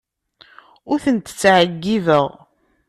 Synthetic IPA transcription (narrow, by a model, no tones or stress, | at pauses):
ʊɾθənt̪t͡sːʕəɡːivəʁ